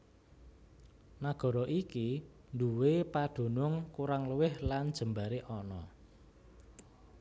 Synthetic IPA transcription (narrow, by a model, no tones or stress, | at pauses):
naɡ̥ɔ̤ɾɔʔiki | nd̪uwepad̪̥o̤nʊŋkuɾaŋləwɪhland̥ʒ̥ə̤mbaɾeʔɔnɔ̰